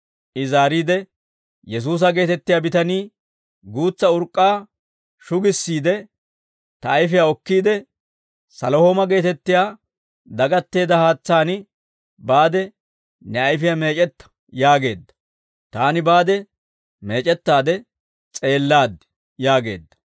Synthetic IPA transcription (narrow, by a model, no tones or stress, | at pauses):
ʔɪzaːɾiːd̪ɛ | jɛs̬uːs̬ɐɡe̞ːt̪ɛt̪ːɪjaːbɪt̪ɐniː | ɡuːt͡sːɐʊɾkʼːaː | ʃʊɡɪsːiːd̪ɛ | t̪ɐːjfɪjaɔkːiːd̪ɛ | sɐlohoːmɐɡe̞ːt̪ɛt̪ːɪjaː | d̪ɐɡɐt̪ːe̞ːd̪ɐhaːt͡sːaːnɪ | baːd̪ɛ | nɛɐjfɪjame̞ːt͡ʃʼɛt̪ːɐ̥ | jaːɡe̞̰ːd̪ːɐ̥ | t̪aːnɪbaːd̪ɛ | me̞ːt͡ʃʼɛt̪ːaːd̪ɛ | t͡sʼe̞ːlːaːd̪ɛ | jaːɡe̞̰ːd̪ːɐ̥